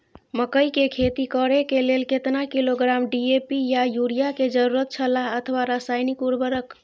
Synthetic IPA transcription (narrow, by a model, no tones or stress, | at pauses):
məkəjkekʰet̪ikəɾekelelket̪nakiloɡɾamɖiepijajuɾijaked͡ʒəɾuɾət̪t͡ʃʰəlaət̪ʰəwaɾasajnikuɾbəɾək